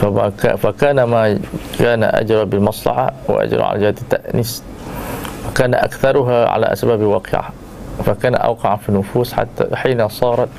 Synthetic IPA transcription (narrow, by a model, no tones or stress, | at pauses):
faaka̰fakaːnamakaːnaʔa̰d͡ʒɾˤabɪlmɑsˤlɑ̰ħawɪ̰ʔa̰d͡ʒɾˤɑ̰ʕa̰ld͡ʒɪhaːt̪at̪ːaʔniːs | wakaːnaʔa̰kθɑɾˤʊɦaʕa̰la̰ʔa̰sbaːbwɑːqɪʕa̰ | fakaːnaʔa̰wqɑʕanfinːʊfuːsħa̰t̪ːaħiːnasˤɑːɾˤɑt̪